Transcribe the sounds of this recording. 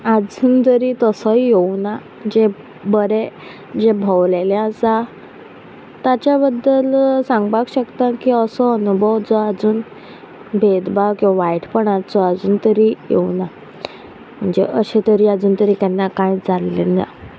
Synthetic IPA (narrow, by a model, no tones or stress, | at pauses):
ad͡zuːnt̪əɾit̪əsɔijewna | d͡ʑe | bəɾe | d͡ʑebʱəwlelẽasa | t̪at͡ɕjabəd̪ːəlsãŋɡbakɕəkt̪akiəsɔənubʱəwd͡zɔad͡zuːn | bʱed̪bawkĩwʋaʋajʈʰpəɳaɾt͡sɔad͡zuːnt̪əɾijḛwna | m̤əɳd͡zeʔəɕẽt̪əɾiːad͡zuːnt̪əɾiːkanːakajd͡zalːḭna̰